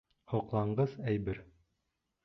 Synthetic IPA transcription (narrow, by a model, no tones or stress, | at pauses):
hoqlˠɑɴɢɤzæjbɘɾ